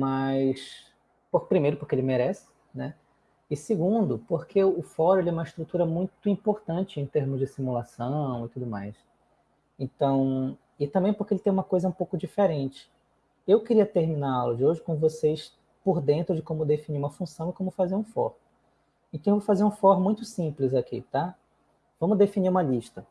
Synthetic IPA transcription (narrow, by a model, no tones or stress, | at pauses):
majs | popɾimejɾʊpʊɾkeelɪmeɾɛsɪ̥ | nɛ | ɪsɪɡũd̪ʊpoɾkʰeʊfɔɾʊelɪɛũmɐiʃt̪ɾut̪uɾɐmũj̃t̪ʊĩpoɾt̪ɐ̃nt͡ʃɪẽt̪eɾmʊzd͡ʒɪsimulasɐ̃w̃ɪt̪ud̪ʊma̰js | ẽt̪ɐ̃w̃ | ɪt̪ɐ̃bẽj̃pʊɾkelɪt̪ẽj̃ũmɐkojzɐũpowkʊd͡ʒifeɾẽnt͡ʃɪ̥ | ewkɪɾiɐt̪eɾminalʊd͡ʒɪoʒɪkõvosejs | poɾd̪ẽnt̪ɾʊd͡ʒɪkõmʊd̪efiniɾũmɐfũsɐ̃w̃ɪkõmʊfazeɾũfɔ̰ɾ | ẽt̪ɐ̃ṽvofazeɾũfɔɾmũj̃t̪ʊsĩplɪzakḭt̪a | vɐ̃mʊzd̪efiniɾũmɐliʃt̪ɐ